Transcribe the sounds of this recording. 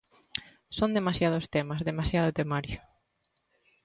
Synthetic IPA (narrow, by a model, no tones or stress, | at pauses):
sond̪emasjað̞ʊst̪emɐzðemasjað̞ʊt̪emaɾjo